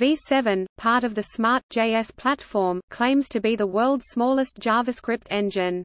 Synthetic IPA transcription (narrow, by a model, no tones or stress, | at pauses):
visɛvə̃npʰɑɹɾʌvðɨsmɑˑɹt̚d̥ʒ̥eɪɛspʰl̥ætfɔːmkʰl̥ẽɪ̃mz̥tʰɨbiðəwɜ˞lˠdz̥smɔlˠəsd̥ʒ̥ɑːvəskɹɪp̚tʰɛ̃nd͡ʒɪ̃n